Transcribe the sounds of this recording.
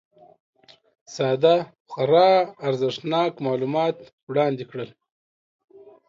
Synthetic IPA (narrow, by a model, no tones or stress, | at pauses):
sɑːd̪a | xaɾɑːɾzɪʂnɑːkmɑːlumɑt̪ | wɽɑːnd̪ikɽəl